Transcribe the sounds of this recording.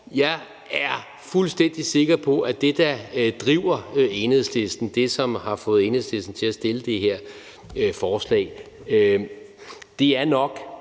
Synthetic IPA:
jɑ̈ɪ | æɐ | fulsd̥en̰d̥ise̝ɡ̥ɐpʰɒ̽ʔæd̥e̝d̥ɑd̥ʁiʊ̰ɐe̝nhe̝ð̰ˠsle̝sd̥n̩d̥e̝sɒ̽mhɑ̈fɔ̽ːð̩ˠe̝nhe̝ð̰ˠsle̝sd̥n̩t͡sʰe̝læsd̥e̝ləd̥e̝ɦeɐ̰ | fɒːslɛ̰ːɪ | d̥e̝æɐnɒ̽ɡ̥

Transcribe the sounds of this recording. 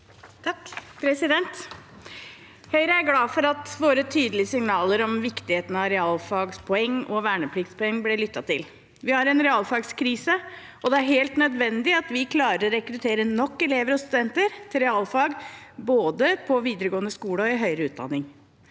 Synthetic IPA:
t̪ʰpʰɾɛsɪd̪ɛnt̪ | hœʏɾəæɾɡlɑːfɔɾɑt̪ʋoːɾət̪ʰyːd̪əlɪəsɪŋnɑːləɾɔmʋɪkt̪ɪheːt̪n̩ɑɾɛɑːlfɑːɡspʰɔɛŋːɔʋæːɳəpʰlɪɡt̪spʰɔɛŋːblɛlʏt̪ːɑt̪ʰɪ̰l | ʋɪhɑɾɛnɾɛɑlfɑːɡskʰɾiːsə | ʔɔd̪ɛæɾheːlt̪nœd̪ʋɛnd̪ɪɑt̪ʋɪkʰlɑːɾəɾɔɾɛkɾʉt̪ʰeːɾənɔkːɛleːʋəɾɔst̪ʉd̪ɛnt̪əɾt̪ʰɪlɾɛɑːlfɑːɡboːd̪əpʰɔʋiːd̪əɾəɡoːnəskuːləɔɪɦœʏɾəʉːt̪̚d̪ɑ̰nːɪŋ

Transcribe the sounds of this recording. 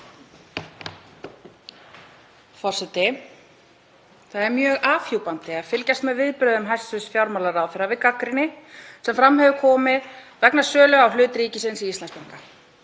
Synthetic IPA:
fɔr̥sɛt̪ɪ | θaðɛɾmjœːɣaːfjuːwpant̪ɪḁfɪlcajst̪mɛðvɪðpɾœːðʏmɦajsʏsfjawɾmalaɾaːwθɛɾavɪkːakɾɪnːɪsɛmfɾamhɛvʏkʰɔːmɪð | vɛknasœːlœɣawhlʏːt̪ɾiːcɪsɪnsiist̪lanspaŋka

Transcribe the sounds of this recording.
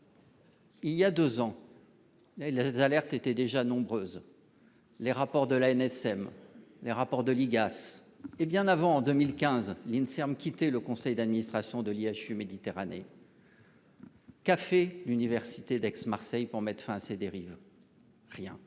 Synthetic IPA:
iljad̪øzɑ̃ | lezalɛʁt̪et̪ɛd̪eʒanɔ̃bʁøz | leʁapɔʁd̪əlaɛnɛsɛmleʁapɔʁd̪əliɡas | ebjɛ̃navɑ̃ːd̪ømilkʲɛ̃zlinsɛʁmkʲit̪ɛləkɔ̃sɛjd̪ad̪minist̪χasjɔ̃d̪əliaʃymed̪it̪eʁanḛ | kafɛlynivɛʁsit̪ed̪ɛksmaʁsɛjpuʁmɛt̪χfɛ̃ased̪eʁiv | ʁjɛ̰̃

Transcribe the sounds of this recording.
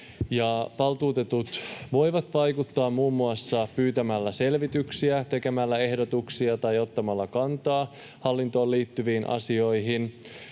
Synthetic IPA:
jɑʋɑlt̪uːt̪e̞t̪ut̪ʋo̞jʋɑt̪ʋɑjkut̪ːɑːmmːuːmːuɑsːɑpyːt̪æmælːæse̞lʋit̪yksiæt̪e̞ke̞mælːæe̞hdot̪uksiɑt̪ɑjo̞t̪ːɑmɑlːɑkɑnt̪ɑː | hɑlːint̪o̞ːliːt̪ːyʋiːnʔɑ̰sio̞jɦin

